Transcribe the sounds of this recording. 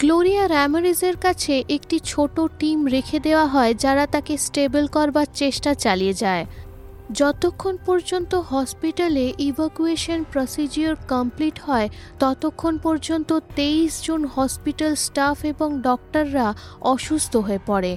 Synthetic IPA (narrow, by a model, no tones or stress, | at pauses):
ɡloɾiaɾɛmaɾizeɾkat͡ɕʰeʔekʈit͡ɕʰoʈoʈimɾekʰed̪eoaɦɔed͡ʑaɾat̪akesʈebolkɔɾbaɾt͡ɕeʃʈat͡ɕalied͡ʑae | d͡ʑɔt̪okʰːonpɔɾd͡ʑont̪oɦɔspiʈaleʔibʱakueʃonpɾosid͡ʑioɾkəmpliʈhɔet̪ɔt̪okʰːonpɔɾd͡ʑont̪ot̪eisd͡ʑonhɔspiʈalsʈafeboŋɖɔk̚ʈaɾːaɔʃust̪ʰoɦoepɔɽe